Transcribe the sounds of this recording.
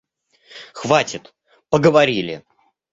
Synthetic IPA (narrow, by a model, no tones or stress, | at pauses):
xvatʲɪt̪ | pəɡəvɐɾʲilʲɪ̰